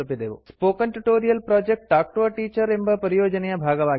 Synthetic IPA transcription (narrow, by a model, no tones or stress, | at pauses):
ɐpːiɐd̪eːʋɐ̰spoːkːɐntuʈːoːɾijɐlproːd͡ʑek̚ʈːaːk̚ʈoʋɐʈiːt͡ʃːɐɾe̞mbɐpɐɾijo̞ːd͡ʑɐnɐjɐbʱaːɡɐʋaː